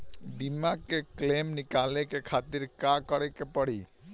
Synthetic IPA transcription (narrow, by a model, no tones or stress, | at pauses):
bimakeklemnɪkalekekʰat̪iɾkakɔɾekepəɽ̤i